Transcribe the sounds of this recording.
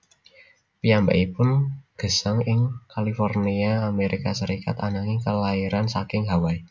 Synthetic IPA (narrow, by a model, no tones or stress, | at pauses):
pijamba̰ʔipʊnɡ̥ə̤saŋɪŋkalifɔrniaːmeɾikasəɾika̰t̪anaŋɪkəlaiɾansakɪŋɦawai